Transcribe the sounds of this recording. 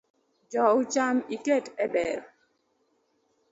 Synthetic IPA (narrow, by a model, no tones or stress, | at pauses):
d͡ʒɔʊt͡ʃamiketɛbɛɾɔ